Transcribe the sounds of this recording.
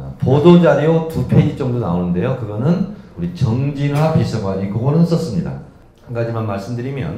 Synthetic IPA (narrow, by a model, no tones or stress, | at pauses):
podod͡ʑaɾiotupʰed͡ʑit͡ɕ͈ʌŋdona̰onɯnde̞jokɯɡʌnɯnuɾit͡ɕʌŋd͡ʑinɦwapisʰʌɡwaɲikoɡʌnɯnʌs͈ʌs͈ɯmɲida̰ | hanɡad͡ʑimanmaɭs͈ɯmdɯɾimjʌ̰n